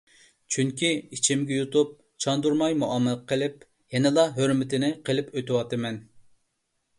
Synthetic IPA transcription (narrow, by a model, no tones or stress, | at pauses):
t͡ʃʰyŋkʲiit͡ʃʰimɡʲɛjut̪up̚ | t͡ʃʰɑnd̪uɾmɑjmuʔɑmːɨlˠqʰəlɪp̚ | jɛnɪlˠɑɦøɾmɪt̪ɪnɪqəlɪpøt̪ɪwɑt̪ɨmɛn